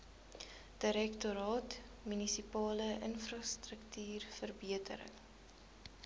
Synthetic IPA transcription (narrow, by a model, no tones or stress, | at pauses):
d̥əɾɛktoɾɑːt | mynisipɑːləʔənfrɑːstrəktyːrfərbiətʰə̰ɾə̰ŋ